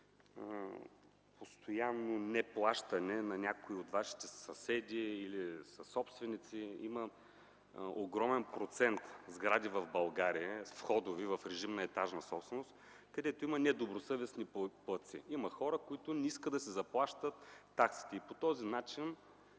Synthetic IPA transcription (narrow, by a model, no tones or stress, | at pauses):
post̪ʰojanːonɛplˠaʃt̪ɐnɛnɐnʲakoiot̪vaʃi̥t̪ɛsɐsɛd̪ʲiːlisɐsɔpst̪vɛnit̪siimɐ | oɡɾɔmɛnpɾot̪sɛnt̪zɡɾad̪ivɐvbɐlˠɡaɾiəfxɔd̪ovivɐfɾɛʒimnɐɛt̪aʒnɐsɔpst̪ɛnost̪ | kɐd̪ɛt̪oimɐnɛd̪obɾosɤvɛsniplˠɤt̪sḭimɐxɔɾəkoit̪ʊnɛiskəd̪ɐsɛzɐplˠaʃt̪ət̪ː | aksi̥t̪ɛipot̪ɔzinat͡ʃin